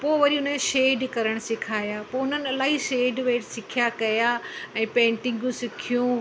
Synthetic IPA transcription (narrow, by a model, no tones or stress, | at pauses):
poːʋɐɾiʊnəʃeːɖkɐɾəɽ̃sɪkʰaːjaːpoːʊn̤ənɪɐlaːɦiʃeːɖʋeːʈsɪkʰijakɐjaːɛ̃ːpẽːɳʈɪ̃ŋɡũsɪkʰijũ